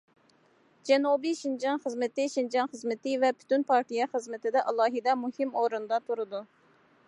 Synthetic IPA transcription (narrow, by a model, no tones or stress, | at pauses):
d͡ʒɛnubiʃind͡ʒɑnχəzmɪt̪ɪʃind͡ʒɑnχəzmɪt̪ɪvɛpʰy̥t̪ynpʰɑɾt̪ijɛχəzmɪt̪ɪd̪ɛʔɑlˠɑːɦɪd̪ɛmuhimoɾɨnd̪ɑt̪ʰuɾɨd̪u